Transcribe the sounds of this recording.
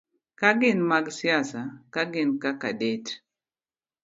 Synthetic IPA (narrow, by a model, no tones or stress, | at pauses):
kaɡɪnmaɡsijasakaɡɪnkakadet